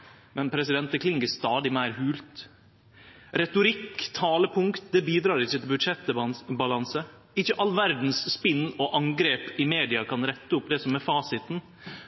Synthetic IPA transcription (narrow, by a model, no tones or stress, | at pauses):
mɛnpʰɾɛsɪd̪ɛnt̪̚ɛklɪŋɡəst̪ɑːd̪ɪmæɪɾɦʉːlt̪ | ɾɛt̪ʊɾɪkːt̪ʰɑːləpʰʊŋkt̪d̪ɛbiːd̪ɾɑːɾɪçːət̪ʰɪlbʉd̪ʂɛt̪ːbɑlɑnsə | ɪçːəʔɑlːʋæɾd̪n̩sːpɪnːɔʔɑŋɡɾeːpɪmeːd̪ɪɑkʰɑnɾɛt̪ːəʊpːd̪ɛsɔmɛfɑːsɪt̪n̩